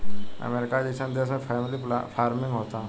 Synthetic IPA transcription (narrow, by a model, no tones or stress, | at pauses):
ə̰meɾɪkad͡ʑet͡ɕʰãnd̪eəsãfamlifʰaːɾmɪŋɡɦoːt̪a